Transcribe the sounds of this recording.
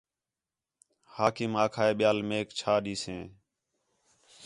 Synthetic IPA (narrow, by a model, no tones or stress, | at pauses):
haːkimaːkʰaːeːɓɪjaːlmeːkt͡ʃʰaːɗiːsẽː